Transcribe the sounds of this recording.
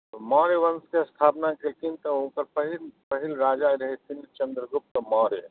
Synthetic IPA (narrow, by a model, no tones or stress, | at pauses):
mɔːɾeʋɐnskeɐst̪ʰaːpnakelk̪int̪ɐõːkəɾpəɦilpəɦilɾaːd͡ʒaːjɾɐɦet̪ʰint͡ʃə̃nd̪ɾəɡʊp̚t̪ɔmɔːɾe